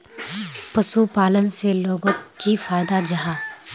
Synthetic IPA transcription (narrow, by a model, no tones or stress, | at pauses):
pɐsupaːlənseloːɡõkifaːjd̪ad͡ʒɐɦaː